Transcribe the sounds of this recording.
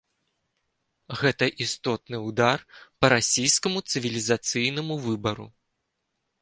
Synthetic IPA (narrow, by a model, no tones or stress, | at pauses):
ɣɛt̪ɐʔist̪ɔt̪nɨwd̪arpɐɾasʲijskɐmut̪sɨvʲilʲizat̪sɨjnɐmuvɨbɐɾṵ